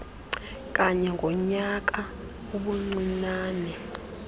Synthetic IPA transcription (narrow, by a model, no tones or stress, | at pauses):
k̬ʼaɲɛŋɡʱɔɲak̬a | uɓuŋ͡ǀinaːnɛ